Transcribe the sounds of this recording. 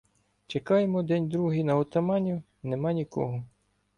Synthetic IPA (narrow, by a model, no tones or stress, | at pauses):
t͡ʃekɑjemɔd̪ɛnʲd̪ɾuɦijnɐɔt̪ɐmɑnʲu | nemɑnʲikɔ̰ɦɔ